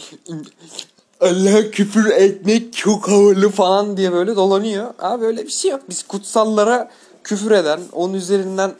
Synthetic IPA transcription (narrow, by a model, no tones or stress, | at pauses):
alːaɦcʰyfyɾɛt̪̚mɛct͡ʃʰokhavɯɾlˠɯfalˠand̪ijɛbø̞jlʲɛd̪o̞lˠanyjoa̰bø̞jlʲɛbiʃejok̚biz̥kʰut̪salˠːaɾa | cʰyfyɾe̞d̪æno̰nunyze̞ɾind̪æn